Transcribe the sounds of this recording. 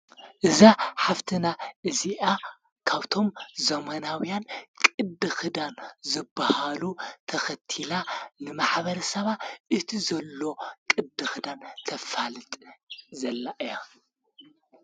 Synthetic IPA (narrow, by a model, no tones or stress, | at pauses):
ʔɨzaħaft̪ʰɨnaʔɨziʔa | kʰaβt̪ʰo̞mzɐmɐnawijankʼɨd̪ɨxɨd̪anzɨbːahalut̪ʰɐxɐt̪ʰilanɨmaħβɐɾɐsɐβatʔɨt̪ʰizɐlːo̞kʼɨd̪ɨxɨd̪ant̪ʰɐfalɨt̪ʼzɐlːaʔɨja